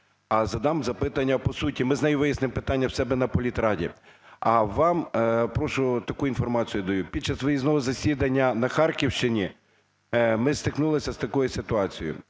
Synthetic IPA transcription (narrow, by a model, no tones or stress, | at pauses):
ɐzɐd̪ɑmzɐpɪt̪ɐnʲːɐpɔsutʲimɪznɐjuʋɪjɐsnɪmpɪt̪ɑnʲːɐwsɛbɛnɐpɔlʲit̪ɾɑdʲḭɐʋɑmpɾɔʃʊt̪ɐkuinfɔrmɑt͡sʲijʊd̪ɐjupʲid̪̚t͡ʃɑsʋɪjiznɔɦɔzɐsʲid̪ɐnʲːɐnɐxɑrkʲiwʃt͡ʃɪnʲi | mɪst̪ɪknulˠɪsʲɐst̪ɐkɔjisɪt̪ʊɑt͡sʲijʊ̰